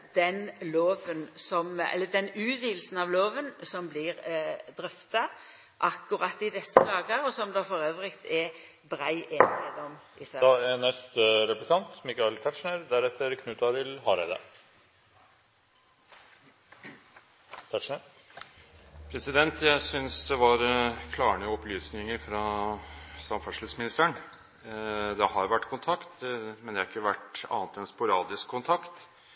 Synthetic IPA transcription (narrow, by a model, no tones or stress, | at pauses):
d̪̥ɛnloːʋənsɔmɛ̰lːəd̪ɛnʉːt̪ʋiːl̩sn̩ɑʋloːʋənsɔmblɪɾd̪ɾœft̪ɑ | ʔɑkːʊɾɑt̪ːɪd̪ɛsːəd̪ɑːɡəɾɔsɔmd̪ɑfɔɾøːʋʁɪkt̪ʰɛ | bɾæɪʔeːnɪed̪ɔmʔɪsæd̪ɑænɛst̪əɾɛplɪkʰɑnt̪mɪkɑɪlt̪ʰæʈʂɳæɾd̪æɾɛt̪ʰːəɾkʰnʉːt̪ɑɾɪlhɑɾɛɪd̪ə̰ | t̪ʰæʂɳəɾ | pʰɾɛsɪd̪ɛnt̪ʰjæɪsʏnsd̪ɛʋɑɾkʰlɑːəɳəɔplyːsnɪŋəɾfɾɑ | sɑmfœʂləsmɪnɪst̪æɳ | d̪ɛɦɑɾʋæʈːkʰʊnt̪ʰɑkt̪mɛnd̪ɛhɑɾɪkːəʋæʈɑ̰ːnət̪ɛnspʊɾɑːd̪ɪskʰːʊnt̪ʰɑkt̪